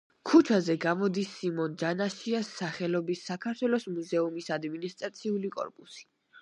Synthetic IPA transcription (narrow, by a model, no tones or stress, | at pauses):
kʰut͡ʃʰazɛɡamɔd̪isːimɔnd͡ʒanaʃiasːaχɛlɔbisːakʰaɾt̪ʰwɛlˠɔsmuzɛumisad̪minist̪ʼɾat̪sʰiulikʼɔ̰ɾpʼusi̥